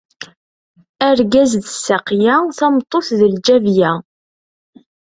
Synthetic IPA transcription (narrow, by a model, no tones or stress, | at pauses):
æɾɡæzðəsːaqjæθæmt̪ˤːoθðəld͡ʒævjæ